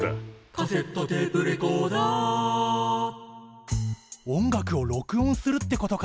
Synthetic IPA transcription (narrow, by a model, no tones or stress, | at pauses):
kʰaset̪ːot̪eːpɯ̟ɾekoːd̪aː | õ̞ŋɡakɯ̟o̞ɾo̞kɯ̟õ̞ɰ̃sɨɾɯ̟t̪ːe̞ko̞t̪o̞ka